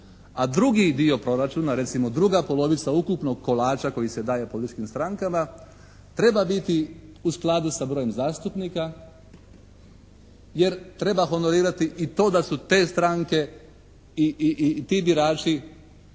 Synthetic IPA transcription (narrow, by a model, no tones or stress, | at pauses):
ad̪ɾuɡid̪io̞pɾo̞ɾat͡ʃuːnaɾe̞t̪simo̞d̪ɾuɡapo̞lo̞ʋit̪saukupno̞ɡ̚ko̞laːt͡ʃako̞jise̞d̪aːje̞polit̪it͡ʃkimst̪ɾaŋkama | t̪ɾe̞babit̪iusklˠad̪usabɾo̞je̞mzaːst̪upniːka | je̞ɾt̪ɾe̞baxo̞no̞ɾiːɾat̪iʔit̪o̞ːd̪asut̪e̞ːst̪ɾaŋke̞ | iʔt̪ibiɾaːt͡ʃi